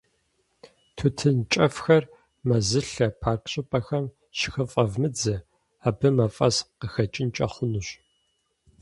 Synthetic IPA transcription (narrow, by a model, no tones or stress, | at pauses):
tʰutʰɨnt͡ʃʼɐfxɐr | mɐzɨɬɐpʰaːrkʰʼɕʼɪpʼɐxɐm | ʃɪ̥xɨfʼɐvmɨd͡zɐ | aːbɨmɐfʼɐsqəxɐt͡ʃʼɪnt͡ʃʼɐ̰χʷʊnuɕ